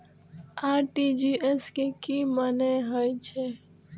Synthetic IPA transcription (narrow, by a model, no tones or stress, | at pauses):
aːɾʈid͡ʒieskekiməneɦojt͡ʃʰe